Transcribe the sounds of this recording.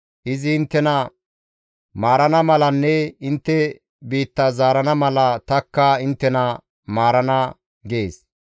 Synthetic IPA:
ʔɪzɪɪnt̪ːɛnɐ | maːɾɐnɐmɐlɐnːɛɪnt̪ːɛ | biːt̪ːɐzaːɾɐnɐmɐlɐt̪ɐkːɐɪnt̪ːɛnɐ | maːɾɐnɐ | ɡeːs

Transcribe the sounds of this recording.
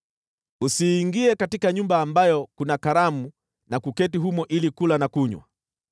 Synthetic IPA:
usiːŋɡiɛkatikaɲumbaːmbajɔkunakaɾamu | nakukɛtiɦumɔʔilikulanakuɲwa̰

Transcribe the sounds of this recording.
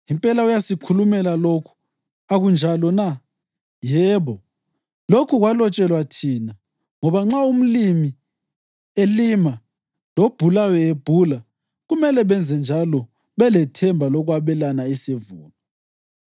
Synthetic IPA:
impʼɛlaujasikʰulumɛlalokʰu̥ | aɣund͡ʒʱalɔna | jɛːβɔ | lokʰuɣwalɔt͡ʃʼɛlwatʰiːna | ŋɔβaŋ͡ǁaum̩limi | elima | lob̥ʱulawɛeb̥ʱula | ɣumɛlɛβɛnd͡zʱɛnd͡ʒʱalɔ | βɛlɛtʰɛmbʱalɔɣwaβɛlanaisevuːnɔ

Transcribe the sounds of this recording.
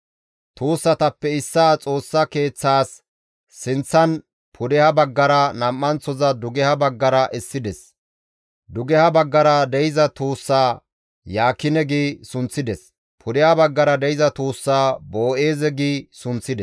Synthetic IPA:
t̪uːsːɐt̪ɐpːɛɪsːaːt͡sʼo̞ːsːɐke̞ːt͡sːaːsː | ɪnt͡sːɐn | pʰʊd̪ɛhɐbɐɡːɐɾɐnɐmːɐnt͡sːɔzɐd̪ʊɡɛhɐbɐɡːɐɾɐʔɛsːɪd̪ɛs | d̪ʊɡɛhɐbɐɡːɐɾɐd̪ɛjɪzɐt̪uːsːaː | jaːkːɪnɛɡiːsʊnt͡sːɪd̪ɛs | pʰʊd̪ɛhɐbɐɡːɐɾɐd̪ɛjɪzɐt̪uːsːaːbo̞ːʔeːzɛɡiːsʊnt͡sːɪd̪ɛs

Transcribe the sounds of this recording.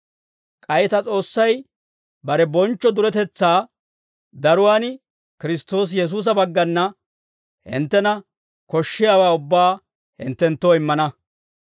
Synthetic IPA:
kʼɐjɪt̪ɐt͡sʼo̞ːsːɐj | bɐɾɛbɔnt͡ʃːɔd̪ʊɾɛt̪ɛt͡sːaː | d̪ɐɾʊwaːn | kɪɾɪst̪o̞ːs̬jɛs̬uːs̬ɐbɐɡːɐnːɐ | hɪ̰nt̪ːɛnɐ | kɔʃːɪjaːwaːʊbːaː | hɪ̰nt̪ːɛnt̪ːoːɪmːɐnɐ

